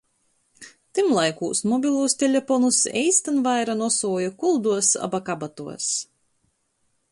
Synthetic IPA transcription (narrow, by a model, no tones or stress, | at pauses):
t̪imlˠajkuːsmɔbʲilˠuːst̪ʲelʲefɔnusɛ̰jst̪anvajɾanuɔsuːjukulˠd̪uɔsa̰bakabat̪uɔs